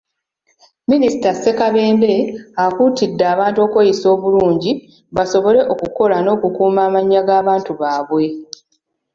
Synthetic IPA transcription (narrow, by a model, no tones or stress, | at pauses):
minisi̥tase̞kaβe̞ːmbe̞akutidːaːβaːntuo̞kwe̞ːjiso̞ːβuluːɲɟi | βaso̞βo̞le̞ʔo̞kuko̞lano̞ːkukuːmaːmaɲːaɡaːβaːntuβaːβwe̞